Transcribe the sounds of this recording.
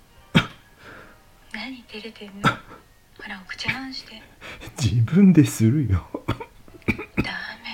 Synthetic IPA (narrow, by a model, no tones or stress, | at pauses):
naɲit̪eɾed̪en | aɾakɯ̥t͡ɕaanɕʰi̥d̪ed͡ʑibɯ̃nd̪e̞sɨɾɯjo | d̪aɯme